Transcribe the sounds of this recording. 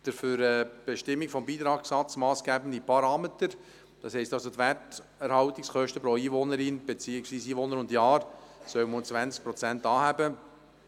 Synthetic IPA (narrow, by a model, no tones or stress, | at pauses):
d̥əɾfyɾɛb̥eʃtɪmːikfɔmbiːt̪ɾɑːksɑt͡smɑːsɡ̥æbən̩dipʰɑɾɑːmet̪əɾ | d̥ɑshɛɪstɑlsot̪ʋæt | ɛɾhɑwtɪkskœʃtəpɾɔiːvonəɾɪnb̥et͡siːɪksʋiːsiːʋonəɾʊndjɑːɾsœwmont͡sʋænsk̚pɾɔt͡sæntɑːhæbə